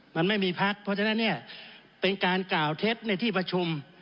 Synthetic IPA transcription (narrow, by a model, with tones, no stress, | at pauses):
ma˧nma˥˩jmiː˧pʰa˦˥k̚pʰɔ˧˥t͡ɕʰa˧na˥˩nːi˥˩ɐpe˧nkaː˧nklaː˨˩wt̪ʰe˦˥t̪̚na˧˩jt̪ʰiː˥˩pa˧t͡ɕʰu˧m